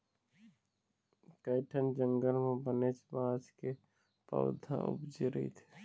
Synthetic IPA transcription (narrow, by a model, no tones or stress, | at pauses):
kəɪʈʰənd͡ʒə̃ŋɡəlmẽbənet͡ʃbãːt͡ʃke | pə̰ʋd̪ʱã̰ʔʊ̰bd͡ʒiɾḭt̪ʰe̥